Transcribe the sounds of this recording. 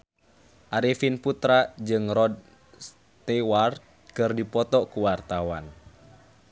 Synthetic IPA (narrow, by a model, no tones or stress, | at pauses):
ʔaɾifinput̪ɾad͡ʒɨŋɾɔd̚ | s | t̪ɛwart̪ | kɨrdipɔt̪ɔkuwart̪awa̰n